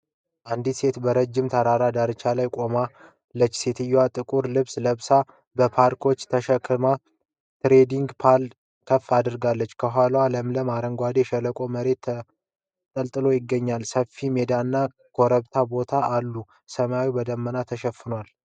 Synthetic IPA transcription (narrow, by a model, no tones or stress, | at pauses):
ʔand̪it̪se̞t̪bəɾəd͡ʒːɪmt̪ʰaɾaɾad̪aɾɨt͡ʃːalajkʼo̞ma | lːət͡ʃːset̪ʰɨjːwat̪ʼɨkʼuɾlɨβsləβsa | bəpʰaɾkʰo̞t͡ʃːt̪ʰəʃəkʰːɨma | t̪ɾe̞d̪iŋɡpʰal | kʰəfːad̪ɨɾɡalːət͡ʃːkʰəɦʷalwaləmləmaɾəŋɡʷad̪eʃələkʼo̞məɾe̞t̪ʰːə | t̪ʼəlt̪ʼɨlo̞jɪɡːəɲːalsəfːime̞d̪anːa | kʰo̞ɾəβt̪ʰabo̞t̪ʰaːlːu | səmawibəd̪əmːənat̪ʰəʃəfːɨnwal